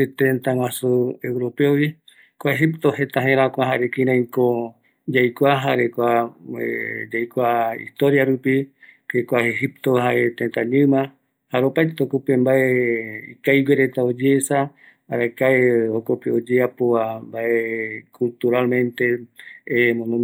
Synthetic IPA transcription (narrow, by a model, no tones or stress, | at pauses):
it̪ẽnt̪aw̃ãsuewɾo̞peowi | kʷaeɦipt̪oɦe̞t̪aɦẽɾakʷaɦaɾekĩɾãĩko | d͡ʒajkʷaɦaɾekʷaḛd͡ʒajkʷaḭst̪oɾjaɾupi | ɾekʷaeɦip̚t̪oɦaet̪ent̪aɲɨ̃mã | haɾopajt̪okopembaʔeikajweɾet̪aod͡ʒesaː | ɾakaehokopeod͡ʒeapoambaʔekult̪uɾalmẽ̞nt̪e̞ | mõnõ